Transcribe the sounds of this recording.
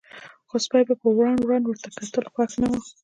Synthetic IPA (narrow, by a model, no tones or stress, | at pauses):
xospɑjbapəwɾɑnwand̪wəɾt̪akat̪əlxwaxnawə